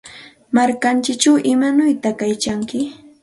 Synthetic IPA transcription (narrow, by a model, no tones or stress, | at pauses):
maɾkant͡ʃɪkt͡ʃawʔɪmanʊjt̪akajt͡ʃaŋkɪ